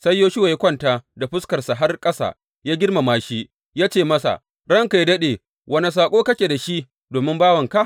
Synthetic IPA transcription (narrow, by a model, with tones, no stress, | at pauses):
sɐ˦jːoː˦ʃʊ˦wa˨ja˦kʷɐ˦ntaː˨da˨ɸʊ˦skɐ˨rsa˨ɦa˦rkʼɐ˦sa̰ː˨ | jaː˦ɡʲɪ˦rma˨maː˦ʃi˦ | jaː˦t͡ʃeː˦˨mɐ˦sa̰˨ | ɽɐ˦ŋka˨ji˦dɐ˦ɗeː˨ | wʔɐ˦na˨s̬aː˨kʷʼoː˦kɐ˦kʲeː˨da˨ʃi˦ʔ | doː˨mɪ˦mbaː˦wɐ˨ŋka˦˨